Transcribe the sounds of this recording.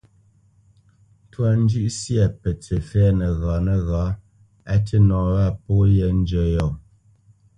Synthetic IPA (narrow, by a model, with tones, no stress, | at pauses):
twa˨n̩˦d͡ʒʉ˦ʔsjɛ˨pə˨tʰə˨fɛː˦nə˨ɣaː˨˦nə˨ɣaː˨˦ | a˨tə˦nɔː˨wa˦˨pɔ˦jɛ˦n̩˦d͡ʒə˦˨jɔ˨